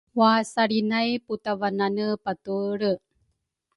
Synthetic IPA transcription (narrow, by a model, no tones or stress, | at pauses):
wasaɾinajputavananəpatuɾə